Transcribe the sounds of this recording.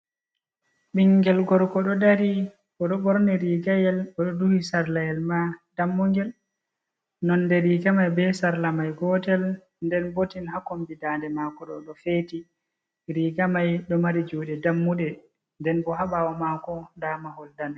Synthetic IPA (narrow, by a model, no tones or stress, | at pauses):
ɓiŋɡɛlɡɔɾkɔɗɔdaɾi | kɔɗɔɓɔɾnɛɾiɡajɛlɔɗɔduhisaɾlajɛlmad̥amːuŋɡɛl | nɔndɛɾiɡamajbɛsaɾlamajɡɔtɛl | ndɛnbotinhakombidandɛmakɔɗɔɗɔfeːti | ɾiɡamajɗɔmaɾid͡ʒuːɗɛdamːuɗɛ | ndɛnɓɔɦaɓawɔmakɔdamahɔldan